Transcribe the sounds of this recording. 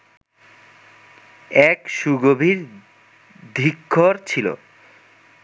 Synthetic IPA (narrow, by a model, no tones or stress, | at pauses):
ɛkʃuɡobʱiɾ | d̪ʱikʰːoɾt͡ɕʰilo̰